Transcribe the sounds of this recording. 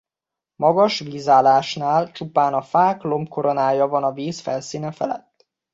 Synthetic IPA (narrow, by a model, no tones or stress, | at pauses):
mɒɡɒʃʋiːzaːlaːʃnaːlt͡ʃupaːnɒfaːklo̞mkʰoɾo̞naːjɒvɒnɒviːsfɛ̰lsiːnɛfɛ̰lɛ̰t̪ː